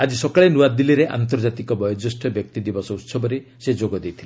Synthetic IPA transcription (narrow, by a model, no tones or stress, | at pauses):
ad͡ʒisɔkaɭenuwad̪iliɾeʔa̰nt̪ɔɾd͡ʒat̪ikɔbɔjɔd͡ʒɔsʈʰɔbjɔk̚t̪id̪ibɔsɔut̪sɔbɔɾesed͡ʒoɡɔd̪ejt̪ʰil